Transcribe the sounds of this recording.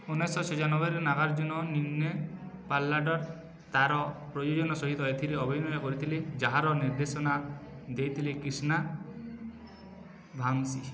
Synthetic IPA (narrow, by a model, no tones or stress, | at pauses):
unesɔsʰɔd͡ʒanɔbɔɾenaɡaɾd͡ʒunɔninːepalːaɖɔɾ | t̪aɾɔpɾɔjod͡ʒɔnɔsɔɦit̪ɔet̪ʰiɾeɔbʱinɔjɔkɔɾit̪ʰiled͡ʒaɦaɾɔniɾd̪esɔna | d̪ejt̪ʰilekɾisna | bʱaŋsi